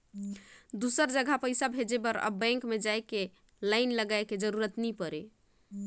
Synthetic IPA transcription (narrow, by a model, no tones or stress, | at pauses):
d̪usəɾd͡ʒəɡʱapəɪsabʱed͡ʒebəɾə̰bɛ̃ŋkmed͡ʒajke | laɪnləɡaeked͡ʒəɾuɾət̪nipəɾe